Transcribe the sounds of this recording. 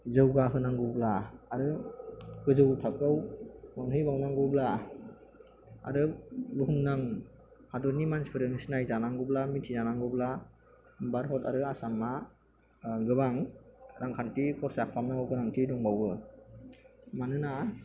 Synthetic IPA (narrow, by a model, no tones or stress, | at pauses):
zɯwɡaɦɯnaŋɡɯblaaɾɯ | ɡɯzɯwtʰak̚ɡɯwmanɦɯjbawnaŋɡɯbla | a̰ɾɯluɦumnaŋ | hadɔɾnimanspʰɯɾɯmisnajzanaŋɡɯblamitʰizanaŋɡɯbla | baɾɦɔta̰ɾɯasamːa | ɡɯbaŋɾaŋkʰantikʰɔɾsakʰpamnaɔɡɯɾaŋtʰidɔŋbawbɯ | manɯna